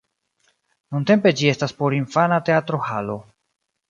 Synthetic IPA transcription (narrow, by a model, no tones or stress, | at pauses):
nunte̞mpe̞d͡ʒie̞staspo̞ɾinfanate̞atɾo̞halo̞